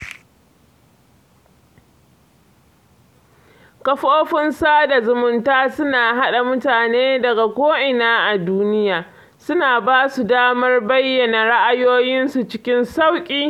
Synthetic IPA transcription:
kɐ˦ɸoː˦ɸɪ˦nsaː˦da˨zʊ˨mʊ˨ntaː˦sʊ˦naː˨ɦa˦ɗa˨mʊ˦taː˨neː˦dɐ˨ɡa˨kʷoː˦ʔɪ˨naː˦ʔa˨duː˦nɪ˦jaː˨ | sʊ˦naː˨baː˦su˨daː˦mɐ˦rbɐ˦jːɐ˨na˨ɽa˦ʔa˨joː˦jɪ˦nsu˨t͡ʃɪ˦kʲɪ˦nsa˦wkʲʼiː˦

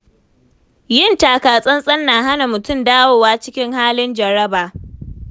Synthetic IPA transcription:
jɪ˦˨ntaː˨kaː˨sʼɐ˦nsʼɐ˦nːaː˨ɦa˦na˨mʊ˨tʊ˦˨mdaː˦woː˨waː˦t͡ʃɪ˦kʲɪ˦ŋhaː˦lɪ˦nd͡ʒɐ˨ɾɐ˦baː˨

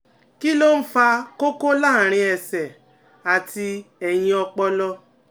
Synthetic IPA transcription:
ki˦lo˦n̩˦fa˧ko˦ko˦la˦˨ɾ̃ĩ˧ɛ˧sɛ˨ | a˨ti˧ɛ˨j̃ĩ˧ɔ˧k͡pɔ˧lɔ˧

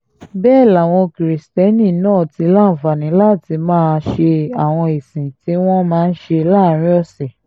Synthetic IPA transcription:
bɛː˦˨la˨w̃ɔ̃˧kɾi˨stɛ˦nĩ˦˨nãː˦˨ti˧˦lã˦˨va˨nĩ˨˦la˦˨ti˧mãː˦ʃe˧a˨w̃ɔ̃˧e˨sĩ˨ti˨˦w̃ɔ̃˦mãː˦˧n̩˦ʃe˧˦la˦˨˦ɾ̃ĩ˦ɔ˦˨sɛ˨

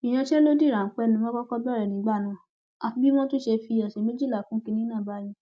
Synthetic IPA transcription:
ĩ˨j̃ã˧ʃɛ˦lo˦di˦˨ɾã˨n̩˨˦k͡pɛ˧nũ˧˦ɔ̃˦kɔ˦kɔ˦bɔ˦˨ɾɛ˨nĩ˨˦ɡ͡ba˦˨nã˨˦˨ | a˧fbi˦m̃ɔ̃˦tũ˦ʃe˧fi˧ã˨ʃɛ˨me˦d͡ʒi˦˨la˨kũ˦ki˧nĩ˦nãː˦˨ba˨˦jĩ˧

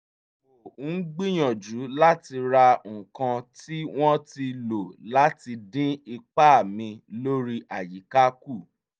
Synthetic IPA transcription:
o˨˦ɡ͡bĩ˦j̃ɔ̃˨d͡ʒu˨˦la˦ti˧ɾa˧ŋ̩˨kã˧ti˦w̃ɔ̃˦ti˧lo˨la˦ti˧dĩ˦i˧k͡pa˦˨mĩ˧lo˦ɾi˦ʔa˨ji˨˦ka˦ku˦˨

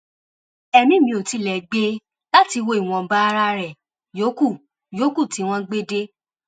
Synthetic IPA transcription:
ɛ˧mĩ˨˦mĩ˧˦o˨ti˨˧˦lɛ˨ɡ͡be˦ | la˦ti˧wo˧˦i˨w̃ɔ̃˨ba˦˧ɾa˧˦ɾɛ˨ | jo˨˦ku˦˨ | jo˨˦ku˦˨ti˨˦w̃ɔ̃˦ɡ͡be˦de˦

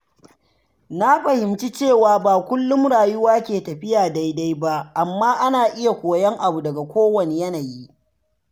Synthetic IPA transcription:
na˦ɸɐ˨hɪ˨mt͡ʃi˦t͡ʃeː˦˨waː˨baː˨kʷʊ˦lːʊ˦mɽaː˨jʊ˦waː˦kʲeː˨tɐ˨ɸɪ˦jaː˨da˦jda˦jba˦ʔʔa˨mːaː˦ʔa˦naː˨ʔɪ˦ja˨kʷoː˨jɐ˦ŋʔa˨bu˨dɐ˨ɡa˨kʷoː˦wɐ˨ne˨jɐ˦na˨ji˦ʔ

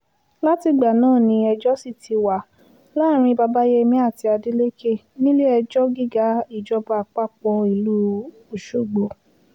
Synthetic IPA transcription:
la˦ti˧ɡ͡ba˨nãː˦˨nĩ˧˦ɛ˧d͡ʒɔ˦si˦˨tʰi˨˧wa˨ | la˦˨ɾ̃ĩ˧ba˧ba˦je˦mĩ˦a˦˨ti˨˧a˧di˦le˦kʰe˦˨ | nĩ˦le˦ɛ˧d͡ʒɔ˦ɡi˦ɡa˦i˦˨d͡ʒɔ˦ba˧˨k͡pa˦k͡pɔ˧i˨lu˦ | o˨ʃo˦˨ɡ͡bo˨

